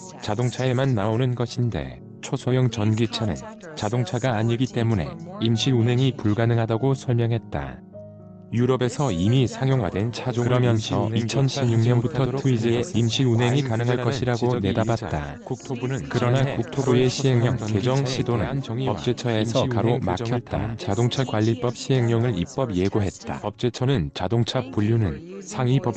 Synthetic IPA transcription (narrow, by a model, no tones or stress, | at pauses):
t͡ɕadoŋt͡ɕʰae̞manːaonɯnɡʌɕʰinde̞̰ | t͡ɕʰosʰojʌŋt͡ɕʌnɡit͡ɕʰanɯ̰n | t͡ɕadoŋt͡ɕʰaɡaːɲiɡit͈e̞mune̞̰imɕʰiɾunɦeŋipuɭɡanɯŋɦadaɡosʰʌɭmjʌŋɦe̞t̚t͈a̰ | juɾʌbe̞sʰʌimisʰaŋjoŋɦwa̰dwe̞nt͡ɕʰad͡ʑokɯɾʌmjʌnsʰʌ̰it͡ɕʰʌnɕʰimɲuŋɲʌnbutʰʌtʰuid͡ʑeimɕʰiɾunɦe̞ŋikanɯŋɦaɭk͈ʌɕʰiɾaɡone̞dabat̚t͈a̰ | kuk̚tʰobunɯnkɯɾʌnakuk̚tʰobue̞ɕʰiɦe̞ŋɲʌŋke̞d͡ʑʌŋɕʰidonɯ̰npʌp̚t͡ɕ͈e̞t͡ɕʰʌe̞sʰʌkaɾomaa̰et̚t͈a̰t͡ɕadoŋt͡ɕʰakwaʎːip͈ʌp̚ɕʰiɦe̞ŋɲʌŋɯɾip͈ʌbje̞ɡoɦe̞t̚t͈a̰pʌp̚t͡ɕ͈e̞t͡ɕʰʌnɯnt͡ɕadoŋt͡ɕʰap͈uʎːunɯnsʰaŋipʌ